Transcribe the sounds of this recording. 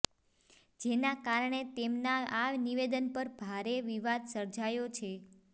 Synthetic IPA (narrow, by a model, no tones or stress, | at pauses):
d͡ʒenakaɾɳet̪emnaaniʋed̪ənpəɾbʱaɾeʋiʋad̪səɾd͡ʒajot͡ʃʰe